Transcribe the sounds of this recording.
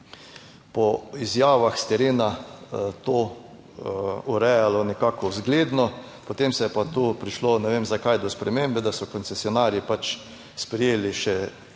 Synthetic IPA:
pɔizjaːʋaxst̪ɛɾeːnat̪oː | uɾɛjalɔnɛkaːkɔzɡleːd̪nɔ | pɔt̪emsɛjɛpat̪oːpɾiʃlonɛʋemzakajd̪ɔspɾɛmembɛd̪asɔkɔnt̪sɛsjɔnaːɾjipat͡ʃ | spɾɛjeːliʃɛ

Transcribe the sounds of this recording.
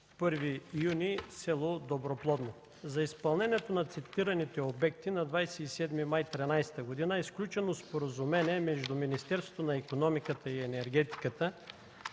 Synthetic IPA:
pɤɾvijunisɛlˠod̪obɾoplˠɔd̪no | zɐispɐlˠnɛnɛt̪onɐt̪sɛt̪iɾɐnit̪ɛobɛkt̪inɐd̪vajsɛisɛd̪mimajt̪ɾinajsɛ̥t̪əɡod̪inəisklʲut͡ʃɛnospoɾɐzumɛniɛmɛʒd̪uminist̪ɛɾsvo̥t̪onɐikonɔmikət̪əiɛnɛɾɡ̟ɛt̪i̥kət̪ə

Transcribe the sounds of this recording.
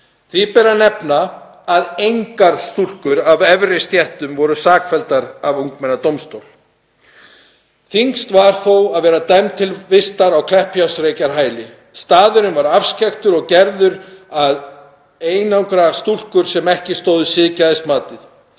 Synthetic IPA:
θvipɛːɾanɛpnaː | ðejŋkaɾ̥st̪ul̥kʏɾavɛvɾɪst̪jɛht̪ʏmvɔɾʏsaːkfɛlt̪aɾavuŋkmɛnat̪owmst̪owl̥ | θiŋkst̪vaɾ̥θowaðvɛːɾat̪ajmt̪ʰɪlvɪst̪aɾawkʰlɛhpjawsɾeːjcaɾ̥ɦaːjlɪ | st̪aːðʏɾɪnvaɾafscɛxt̪ʏɾɔɣcɛɾðʏɾað | eːjnawŋkɾast̪ul̥kʏɾ̥sɛmɛhcɪst̪oːwðʏsɪðcaðɪst̪maːt̪ɪθ

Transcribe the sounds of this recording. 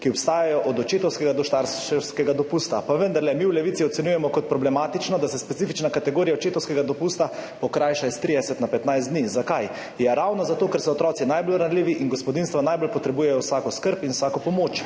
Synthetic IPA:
kiɔpst̪aːjajɔʔɔd̪ɔt͡ʃeːt̪ɔwskɛɡad̪ɔʃt̪aɾʃɛwskɛɡad̪ɔpust̪apaʋənd̪aɾlɛmiwlɛʋit̪siɔt̪sɛnjuːjɛmɔkɔt̪̚pɾɔblɛmaːt̪it͡ʃnɔd̪asɛspɛt̪sifit͡ʃnakat̪ɛɡoːɾiaɔt͡ʃeːt̪ɔwskɛɡad̪ɔpuːst̪apɔkɾajʃaist̪ɾid̪ɛsɛt̪napɛt̪najzd̪niːzakaj | jɛɾawnɔzat̪oːkɛɾsɔːt̪ɾʔɔːt̪sinajbolɾanliːʋiʔinɡospɔd̪inst̪ʋanajboːlpɔt̪ɾɛbuːjɛjɔwsakɔskəɾpinwsaːkɔpɔmoːt͡ʃ

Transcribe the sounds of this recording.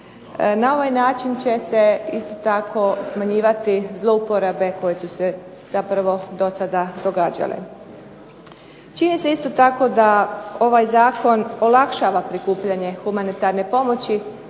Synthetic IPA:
nao̞ʋajnaːt͡ʃint͡ɕe̞se̞ist̪o̞t̪akʰo̞smaɲiːʋat̪izlˠo̞upo̞ɾabe̞ko̞je̞suse̞ | z̥apɾaʋo̞d̪o̞sad̪ad̪o̞ɡaːd͡ʑa̰lḛ | t͡ʃinise̞ist̪o̞t̪ako̞d̪ao̞ʋajzaːkʰo̞nolˠakʃaːʋapɾikuːpʎaɲe̞xumanit̪aɾne̞po̞mo̞t͡ɕi

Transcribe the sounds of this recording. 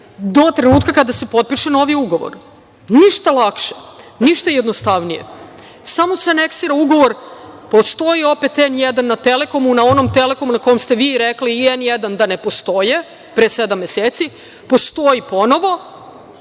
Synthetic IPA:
d̪o̞t̪ɾenuːt̪kakad̪ase̞po̞t̪̚piʃeno̞ʋiuɡo̞ʋo̰ɾ | niʃt̪alˠakʃeniʃt̪ajed̪nost̪aʋnije̞̰ | samoseane̞ksiːɾauɡo̞ʋo̞ɾpo̞st̪o̞io̞pe̞t̪enjed̪anːat̪e̞le̞ko̞munao̞no̞mt̪e̞le̞ko̞munako̞jemst̪e̞ʋiɾekliːenjed̪and̪ane̞po̞st̪o̞je | pɾesed̪amːjeseːt̪si | post̪o̞ipo̞no̞ʋo̞

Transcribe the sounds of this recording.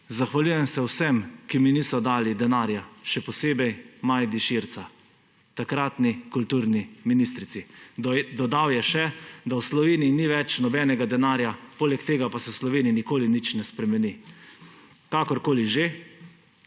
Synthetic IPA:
zaxʋalujɛmsɛwsɛmkiminiːsɔd̪aːlid̪ɛnaːɾjaʃɛpɔseːbɛjmajd̪iʃiɾt̪sa | t̪akɾat̪nikult̪uːɾniminist̪ɾit̪sid̪ɔd̪awjɛʃɛd̪awslɔʋeːnijniʋɛt͡ʃnɔbɛːnɛɡad̪ɛnaːɾjapoːlɛkt̪eːɡapasɛwslɔʋeːniinikoːlinit͡ʃnɛspɾɛmɛni | kakɔɾkoːliʒe

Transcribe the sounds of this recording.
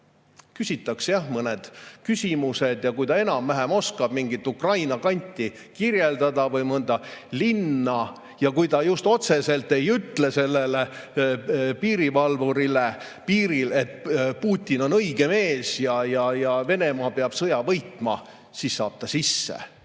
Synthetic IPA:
kysʲit̪ːˑɑksjɑhmɤned̪̥kysʲimused̪jɑkujt̪ɑe̞nɑmːæɦemo̞skɑb̥miŋɡit̪ːˑukrɑjnɑkɑnʲt̪ʲːˑi | kirje̞ld̪ɑd̪ɑvɤjmɤnd̪̥ɑlinːɑ | jɑkujt̪ɑjust̪o̞t̪se̞se̞lt̪ːe̞jyt̪lese̞lːele | piːɾivɑlvuɾile | piːɾile̞t̪ːpuːt̪ʲːino̞nɤjɡ̥e̞me̞ːsjɑjɑjɑve̞ne̞mɑːpeɑb̥sɤjɑvɤjt̪mɑ̰ | sisːɑ̰ːb̥̚t̪ɑsisːḛ

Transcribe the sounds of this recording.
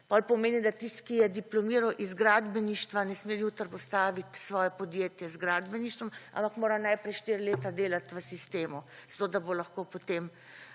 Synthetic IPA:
pɔlpɔmeːnid̪at̪ist̪kijɛd̪iplɔmiːɾɔʔizɡɾad̪bɛniʃt̪ʋanɛsmejuːt̪əɾpɔst̪aːʋit̪sʋɔːjɛpɔd̪jeːt̪jɛzɡɾaːd̪bɛniʃt̪ʋɔma̰mpakmoːɾanajpɾɛjʃt̪iɾleːt̪ad̪eːlat̪ʋəsist̪eːmuz̥at̪oːd̪abolaxkopot̪em

